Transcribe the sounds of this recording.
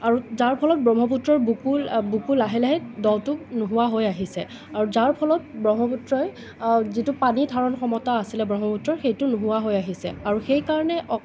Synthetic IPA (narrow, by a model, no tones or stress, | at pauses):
aɹuzaɹpʰɔlɔt̚bɹɔmɦɔp̬utɹɔɹbukulbukulaɦilɛɦɛdɔltʊnʊɦʊwaɦojaɦisɛ | aɹuzaɹpʰɔlɔt̚bɹɔmɦɔputɹɔj | zitupanidʱaɹɔnxɔmɔtaːsilɛbɹɔmɦɔputɹɔɹxejtʊnʊɦʊwaɦojaɦisɛ̰aɹuxejkaɹɔnɛʔɔ